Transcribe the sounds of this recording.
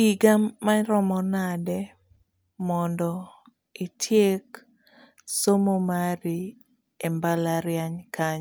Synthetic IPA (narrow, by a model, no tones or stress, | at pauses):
iɡamːaɾɔmɔnadɛ | mɔndɔ | itʰjek | somomaɾi | embalaɾjaɲkaɲ